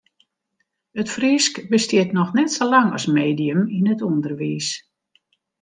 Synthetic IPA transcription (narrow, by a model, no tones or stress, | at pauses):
ətfriskbəstɪətnɔxnɛtsolaŋɔ̰smeːdijəminətundərʋiːs